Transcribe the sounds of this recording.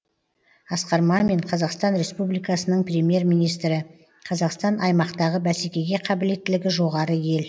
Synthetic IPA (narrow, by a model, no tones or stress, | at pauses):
ɑsqɑɾmɑme̞ɴqʰɑzɑqst̪ɑnɾe̞spublijkɑsənəɴprʲe̞mje̞ɾmijnijst̪ɾɪ | qʰɑzɑqst̪ɑnʔɑjmɑqt̪ɑʁəbæse̞kʲe̞ɡʲe̞qʰɑbɪle̞t̪ːɪlɪɡʲɪʒo̞ʁɑɾəje̞l